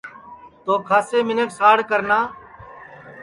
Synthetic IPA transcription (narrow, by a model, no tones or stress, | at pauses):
t̪oːkʰaːseːmɪneksaːɽkəɾnaː